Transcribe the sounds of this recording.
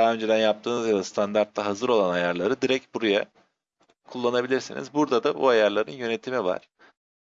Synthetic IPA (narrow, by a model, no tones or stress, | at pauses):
aɦaø̞nd͡ʒe̞d̪ænjap̚t̪ʰɯːnɯzjad̪ast̪ʰand̪aɾt̪lːaɦazɯɾo̞lˠanajaɾlˠaɾɯd̪iɾɛc̚buɾuja | kʰulˠːanabilʲiɾsinḭzbuɾd̪ad̪abṵajaɾlˠaɾɯnjø̞ne̞t̪ʰimiva̰ɾ̥